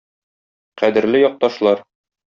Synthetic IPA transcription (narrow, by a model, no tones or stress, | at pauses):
qæd̪ɘ̆ɾlɘjɒq̚t̪ɑʃlˠɑɾ